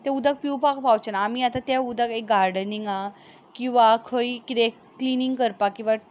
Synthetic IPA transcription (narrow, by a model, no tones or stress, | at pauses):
t̪aud̪ʱak̚piwpak̚pawt͡ɕənaːmiat̪at̪jaud̪ʱakek̚ɡaɾɖəniŋɡa | kĩw̃ʋakʰəikɾe | kliniŋɡkəɾpakːĩw̃ʋa